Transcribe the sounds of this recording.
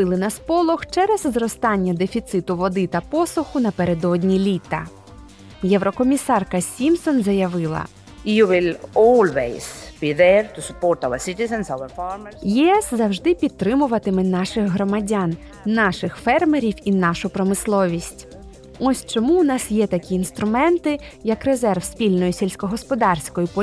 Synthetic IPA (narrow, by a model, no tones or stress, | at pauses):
ɪlˠɪnɐspɔlˠɔxt͡ʃɛɾɛzzrɔst̪ɑnʲːɐd̪efʲit̪sɪt̪ʊʋɔd̪ɪt̪ɐpɔsʊxʊnɐpeɾed̪ɔdʲnʲilʲit̪ɐ | jɛwɾɔkɔmʲisɑrkɐsʲimsɔnzɐjɐʋɪlˠɐ̰ | juwɪlɔːlweɪz̥b̥iːðɛɾtʊsʊpɔɾtaʊəsɪtɪzə̃nsawəfaːɾməsjiɛszɐwʒd̪ɪpʲidt̪̚t̪ːɾɪmʊʋɐt̪ɪmɪnɑʃɪɣɦɾɔmɐdʲanː | ɑʃɪxfɛrmeɾʲiwinɑʃʊpɾɔmɪslˠɔʋʲisʲtʲ | ɔsʲt͡ʃɔmuʊnɑsjɛt̪ɐkʲiːnst̪ɾʊmɛnt̪ɪjɐkrezɛrwsʲpʲilʲnɔjisʲelʲsʲkɔɦɔspɔd̪ɑrsʲkɔjipɔ